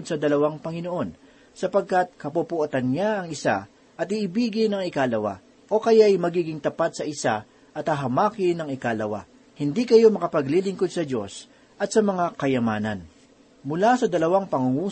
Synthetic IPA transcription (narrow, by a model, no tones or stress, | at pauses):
d̪̚sɐd̪ɐlɐwaŋpɐŋɪno̞ʔo̞n | sɐpɐɡ̚kat̪̚kɐpupʊʔot̪ɐnɲaɐŋɪsa̰ | ʔɐt̪ɪʔɪbiːɡɪnɐŋɪkaːlɐwa̰ | ʔo̞kɐjajmɐɡiːɡɪŋt̪ɐpat̪̚sɐʔɪsa̰ | ʔɐt̪hɐɦɐmaːkɪnɐŋɪkalɐwa̰ | hɪnd̪ikɐjo̞mɐkɐpɐɡlilɪŋkod̪̚sɐd͡ʒo̞̰s | ʔɐt̪̚sɐmɐŋakɐjɐmaːnɐ̰n | mʊlasɐd̪ɐlɐwaŋpɐŋʊŋuː